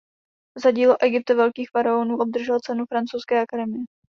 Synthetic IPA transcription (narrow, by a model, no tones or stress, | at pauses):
zaɟiːloʔɛɡɪp̚t̪avɛlkiːxfaɾaonuːʔo̞b̚d̪r̩ʒɛlt͡sɛnufɾant͡sowskɛːʔakadɛmɪjɛ